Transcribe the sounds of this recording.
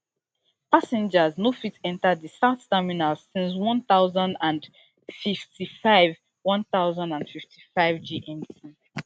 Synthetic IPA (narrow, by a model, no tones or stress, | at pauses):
pasɛ̃nd͡ʒəznofitɛ̃ntadisattɛminalsĩns̬wʌ̃nθaʊzãndãn | fiftifaɪv | wɔ̃nθaʊzãndãndfiftʰifaɪvd͡ʒiʔɛ̃ntĩ